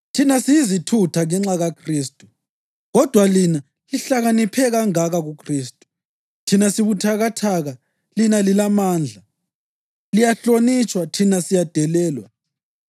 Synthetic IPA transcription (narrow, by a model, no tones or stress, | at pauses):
tʰinasijizitʰutʰaŋɛŋ͡ǁaɣakʰriːstʼu | ɣɔd̥ʱwalina | liɬaɣanipʰɛɣaŋaɣaɣukʰriːstʼu̥ | tʰinasiβutʰaɣatʰaɣa | linalilamaːnd͡ɮʱa | lijaɬonit͡ʃʼwatʰinasijad̥ʱɛlɛːlwa̰